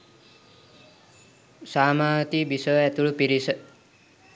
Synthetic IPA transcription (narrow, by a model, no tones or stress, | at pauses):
saːmaːt̪ibisəɛt̪uɭupiɾisə